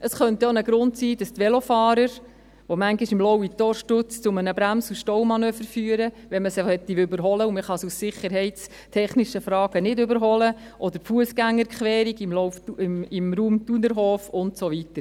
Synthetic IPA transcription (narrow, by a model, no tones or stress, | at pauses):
ʔəsχœnt̪ɛonəɡɾʊntsiːd̥ɑst̪ʋɛlofɑːɾəɾ | ʋomæŋɡiʃɪmlɔwit̪ːɔɾʃtʊt͡st͡sʊmənəbɾæmsuʃtɔwmɑnøːfəɾfyːəɾə | ʋɛnməshɛt̪ːiʏbəɾɦɔləʊməχɑsussɪχəɾɦɛɪtt͡s | tʰɛχniʃəfɾɑːɡ̥ənɪdʏbəɾɦɔlə | ʔɔd̪əɾfuəsɡæŋːəɾkχʋɛːɾiɡɪmlɔwfuɪmɾuːmt̪unəɾɦɔːfʊntsoʋitəɾ